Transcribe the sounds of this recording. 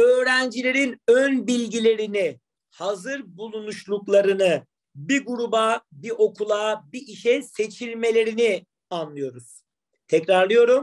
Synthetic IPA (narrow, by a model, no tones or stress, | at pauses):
ø̞ːɾænd͡ʒilʲeɾinønbilʲɟilʲe̞ɾini | hazɯɾbulˠunuʃlˠuklˠaɾɯnɯ | biɡuɾubabiʔo̞kʰulˠabiʔiʃɛse̞t͡ʃʰilʲme̞lʲe̞ɾini | anlˠɯjo̞ɾuz̥ | t̪ʰɛcɾaɾlˠɯjo̞ɾum